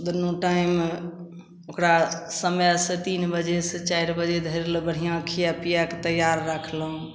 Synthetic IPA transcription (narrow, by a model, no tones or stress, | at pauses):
d̪ənoʈaim | okɾasəmjaset̪inbəd͡ʒesẽt͡ʃaiɾbəd͡ʒed̪ʱəɾeləbəɽ̤ijãkʰijapijaket̪əjaɾːakʰlɦũ